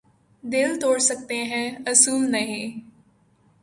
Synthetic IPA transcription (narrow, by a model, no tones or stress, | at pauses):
d̪ɪlt̪oːɽsək̚t̪eɦɛ̃ːɐsuːlnɐɦĩː